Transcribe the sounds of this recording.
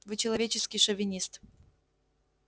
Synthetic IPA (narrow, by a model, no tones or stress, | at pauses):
vɨt͡ɕɪlˠɐvʲet͡ɕɪskʲɪjʂəvʲɪnʲist̪